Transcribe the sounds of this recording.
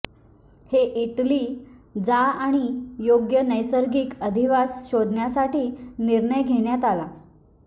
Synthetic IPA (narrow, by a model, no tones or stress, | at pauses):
heʔiʈliːd͡zaaɽ̃ijoɡjənəjsəɾɡiːkəd̪ʱiʋasɕod̪ʱɳjasaʈiːniɾɳəjɡʱeɽjat̪ala